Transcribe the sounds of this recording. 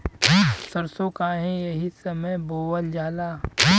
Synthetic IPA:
səɾsõkaɦẽjɐɦisɐməjboːwəld͡ʒaːlaː

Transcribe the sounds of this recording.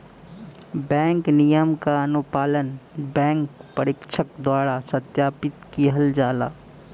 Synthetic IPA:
bɛ̃ːŋknijəmkaɐnʊpaːlənbɛ̃ːŋkpəɾɪkʃʰək̚d̪waːɽasət̪jaːpɪt̪kiɦɐld͡ʒaːla̰ː

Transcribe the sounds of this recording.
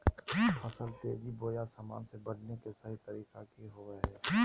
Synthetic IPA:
pʰɐsəlt̪ḛːd͡ʒiboːjasaːma̰ːnsebɐɽnekesəɦit̪ɐɾiːkakiɦoːʋəɛː

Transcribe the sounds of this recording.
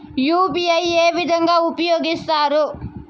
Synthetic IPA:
juːpiɐjeːʋid̪ʱɐŋɡaːupɐjoːɡist̪aːɾu

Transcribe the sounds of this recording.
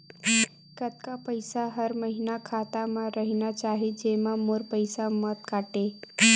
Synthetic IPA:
kət̪kapəjsaɦəɾməɦinakʰat̪amãɾəɦinat͡ɕaɦed͡ʑemamoɾpəjsamət̪kaʈe

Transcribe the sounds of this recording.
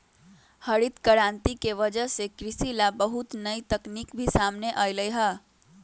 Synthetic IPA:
həɾit̪kəɾant̪ikeʋəd͡ʒəsekɾisilabəɦut̪nəjt̪əknikbʱisamneʔəjləjɦə

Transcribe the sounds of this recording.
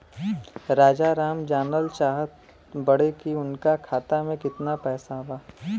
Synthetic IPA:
ɾaːd͡ʒaɾaːmd͡ʒaːnəlʃaːɦət̪ | bɐɽekiʊnkakʰaːt̪amẽkɪt̪napɛːsaɦʊwaː

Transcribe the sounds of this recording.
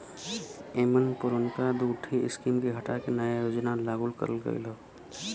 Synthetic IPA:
emənpuɾənkad̪uʈʰiɪskimkeɦəʈakenəjajod͡ʒnalaɡulkə̰ɾəlɡə̰jlə

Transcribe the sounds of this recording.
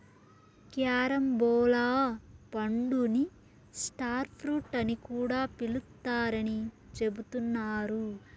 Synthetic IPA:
kjaːɾɐmbɔːlaːpɐɳɖuni | sʈaːɾpʰɾuʈɐnikuːɽaːpilut̪ːaːɾɐni | t͡ʃe̞but̪unːaːɾu

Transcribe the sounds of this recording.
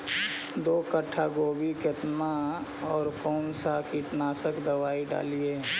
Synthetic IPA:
d̪oːkəʈʰːaɡoːbiket̪maɔːɾkoːnsakiʈnaːsəkd̪əwaːiɖa̰ːlieː

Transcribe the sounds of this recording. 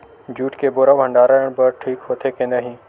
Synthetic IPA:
d͡ʑuːʈkeboːɾaʋɦə̃ɳɖaːɾəɽəɽ̃bəɾʈʰiːkɦot̪ʰekẽːnd̪aɦĩ

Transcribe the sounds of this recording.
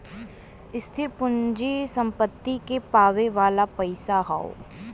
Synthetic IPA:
ɪst̪ʰɪɾpʊɲd͡ʒisɐ̃mpət̪ːikepaːʋeʋaːlapɐɪsaɦa̰o̰

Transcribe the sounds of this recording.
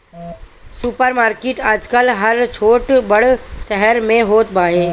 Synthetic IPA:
supəɾmaːɾkeːʈaːd͡ʒkəlɦɐɾt͡ʃʰoːʈbɐɽʃɛɦəɾmẽɦoːt̪̚baːɦeː

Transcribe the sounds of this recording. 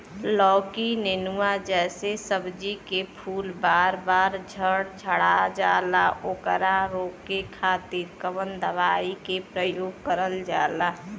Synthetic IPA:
lɔːkinenuad͡ʒɛːsesəbd͡ʒikepʰuːlbaːɾbaːɾd͡ʒʱəɽd͡ʒʱəɽad͡ʒaːlaoːkəɾaɾoːkekʰaːt̪iɾkəʋənd̪əʋaːikepɾəjoːɡ̚kəɾəld͡ʒa̰ːlaː

